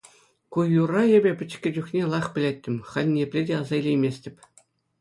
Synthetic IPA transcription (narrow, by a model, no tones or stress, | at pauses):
kujːurɑĕbʲɘ̆pʲɘ̆t͡ɕkʲɘ̆d͡ʑuχnʲelˠɑχpʲɘ̆lʲetʲːɘ̆mʲχɑnʲnʲepʲlʲedʲeɑzɑilʲejmʲesʲtʲɘ̆pʲ